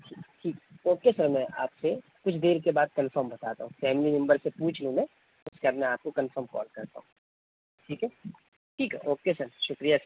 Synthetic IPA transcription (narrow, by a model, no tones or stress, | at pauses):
ʈʰiːʈʰiːkɛoːkesɐɾmɛ̃ʔa̰ːpse | kʊt͡ʃʰd̪eːɾkebaːd̪̚kɐ̃nfəɾmbɐt̪aːt̪a̰ɦũfɛːmlinɐ̃mbəɾsepuːt͡ʃʰlũmɛ̃ː | ʊskead̪mɛ̃aːp̚kokɐnfəɾmkɔ̰ːlkɐɾt̪a̰ɦũ | ʈʰiːkɛ | ʈʰiːkɦɛ̰ʔoːkesɐɾʃʊkɾijasɐɾ